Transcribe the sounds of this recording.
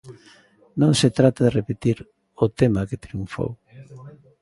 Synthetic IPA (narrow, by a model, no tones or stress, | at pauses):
nõŋset̪ɾat̪aðerepet̪iɾ | ʊt̪emaket̪ɾiuɱfo̰w